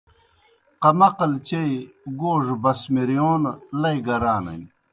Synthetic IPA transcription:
qɐmɐqɐlt͡ɕejɡoːʐbɐsmiɾijoːnlɐjɡɐɾaːnɐ̰j

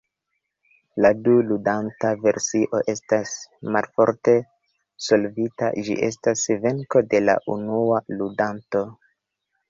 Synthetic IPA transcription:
laduludantave̞ɾsiʔo̞ʔe̞stasmalfo̞ɾte̞ | so̞lvita̰d͡ʒḭʔe̞stasve̞ŋko̞de̞la̰ʔunualudanto̞

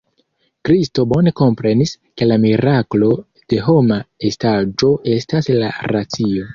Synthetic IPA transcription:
kɾisto̞bo̞ne̞ko̞mpɾe̞nis | ke̞lamiɾaklo̞ | d̥e̞ɦo̞mae̞stad͡ʒo̞ʔe̞staslaɾat͡sio̞

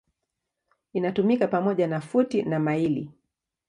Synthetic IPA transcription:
inatumikapamɔʄanafutinamailḭ

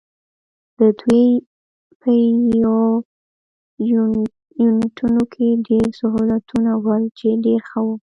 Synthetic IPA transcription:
d̪̥əd̪we | pʰəjo | junʈʰunokʰeɖeɾsaɦulat̪ʰunawəlt͡ʃeɖeɾxəwu

